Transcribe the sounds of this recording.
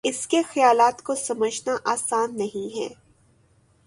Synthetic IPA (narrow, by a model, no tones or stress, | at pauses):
ɪskexɐjaːlaːt̪kosɐməd͡ʒnaʔaːsaːnːɐɦĩɦɛ̰ː